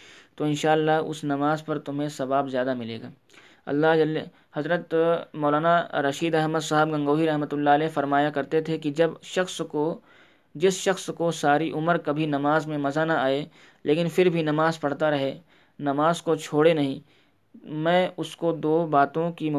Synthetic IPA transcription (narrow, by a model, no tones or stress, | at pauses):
t̪oːɪ̃nʃaːəlːaɦʊ̰snɐmaːzpɐɾt̪ʊmɦẽsɐʋaːbzjaːd̪amɪlḛːɡaː | ɐ̰lːaɦl | hɐzɾət̪mɔːlaːnaɾɐʃiːd̪ɐɦməd̪saːɦɪbɡɐ̃ŋɡoːɦiɾɐɦmət̪ʊlːaəlɛːfɐɾmaːjakɐɾt̪et̪ʰekid͡ʒɐbʃɐxsko | d͡ʒɪsʃɐxskosaːɾiʔʊməɾkɐbʱinɐmaːzmẽmɐzanɐaːe | lʔeːkɪ̃nfɪɾbʱinɐmaːzpɐɽ̤t̪aɾɐɦe | nɐmaːzkot͡ʃʰoːɽenɐɦĩ | mɛ̃ːʊskod̪oːbaːt̪õkim